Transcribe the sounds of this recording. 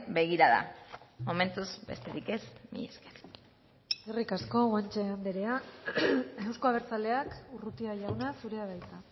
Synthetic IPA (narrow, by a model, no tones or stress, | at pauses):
be̞ɣiɾaða̰mo̞me̞nt̪uzbe̞̰st̪eɾike̞smḭʎeske̥ɾ | erikasko̞want͡ʃeand̪eɾea | e̞wsko̞aβ̞e̞ɾt͡sale̞akurut̪iaʝawnasuɾe̞aβajt̪a